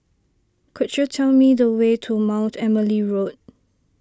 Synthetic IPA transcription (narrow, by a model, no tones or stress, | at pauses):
kʰudjutʰɛlmidəwetʰumãw̃ntʰɛməliɹot̚